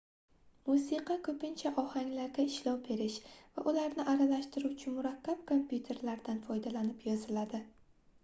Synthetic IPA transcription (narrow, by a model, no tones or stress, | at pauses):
musiqʰɑkʰɵpɪnt͡ʃʰaʔɒhaŋʲlaɾɡʲaɪʃlɒwbe̞ɾɪʃva̰ʔʊlaɾnɪʔaɾalaʃt̪ɪɾuwt͡ʃʰɪmʊɾakʲʰːap̚kʰompʰjut̪ʰe̞ɾlaɾd̪anfɒjd̪alanɪpjɒzɪlad̪ɪ